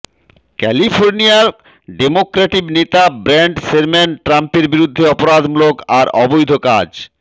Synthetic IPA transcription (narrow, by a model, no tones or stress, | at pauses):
kɛlifʰoɾniaɾ | ɖemokɾaʈibnet̪abɾɛɳʈseɾmɛnʈɾampeɾbiɾud̪ʱːeɔpoɾad̪mulokaɾɔbojd̪ʱokad͡ʑ